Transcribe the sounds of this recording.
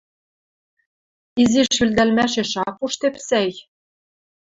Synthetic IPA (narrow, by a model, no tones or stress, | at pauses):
iziʃylʲd̪ælmæʃĕʃɑpuʃt̪epsæj